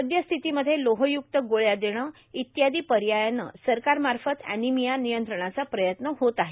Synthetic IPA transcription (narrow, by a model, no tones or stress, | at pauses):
əd̪jəst̪ʰit̪iməd̪ʱːjeloɦəjuk̚t̪əɡoɭjad̪eɽ̃ə | it̪jad̪iːpəɾjajanə̰səɾkaɾmaɾfət̪æ̰nimijanijənt̪ɾəɳ̃at͡sapɾəjət̪nəɦot̪aɦe